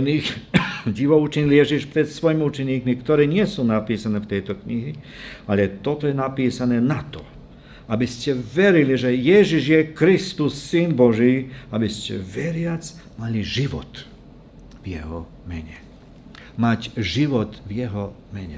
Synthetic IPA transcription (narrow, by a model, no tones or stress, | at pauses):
niːxɟiʋɔut͡ʃiɲiljɛʒiʃpɾɛt̪sʋɔjmiut͡ʃɛɲiːkmikt̪ɔɾɛːɲɪɛsuːnapiːsanɛːft̪ɛjt̪ɔkɲiɦialɛt̪ɔt̪ɔjɛnapiːsanɛːnat̪ɔ | abiscɛʋɛɾiliʒɛjɛʒiʒjɛkɾist̪usːinbɔʒiːabiscɛ̰ʋɛɾɪad͡z | maliʒiʋɔ̰t̪ | vjɛɦɔ | mɛɲɛ̰ | macʒiʋɔt̪vjɛɦɔmɛɲɛ̰